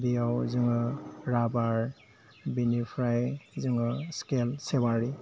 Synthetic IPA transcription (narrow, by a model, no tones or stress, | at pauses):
biawzɯŋɯɾabaɾ | binipʰɾajzɯŋɯskelsebaɾi